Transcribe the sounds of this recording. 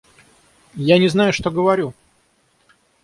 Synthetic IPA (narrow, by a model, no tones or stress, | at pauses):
janʲɪznajʊʂt̪oɡəvɐɾʲu